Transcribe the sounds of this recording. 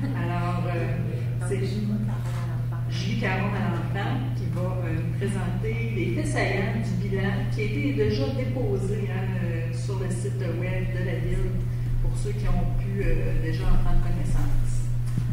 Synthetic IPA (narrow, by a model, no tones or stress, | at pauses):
alɔːʁø | sɛ | ʒikaʁɔ̃ | ɑ̃fã | kʲivʌ | ønupχezɑ̃t̪e | lefɛsaɡãnd̪ybilãkʲiaet̪ed̪eʒɑd̪epoːzeɛ̃ | ø | syʁləsɪt̪ | wɛbd̪əlavɪl | puʁsøkʲiɔ̃pʰyød̪eʒɑɑ̃pχɑ̃d̪ʁkɔnɛsɑ̃ːs